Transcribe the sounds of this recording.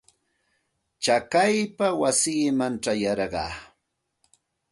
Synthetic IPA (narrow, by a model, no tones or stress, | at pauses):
t͡ʃakajpawasiːmanʈ͡ʂajɑɾɢɑ̰ː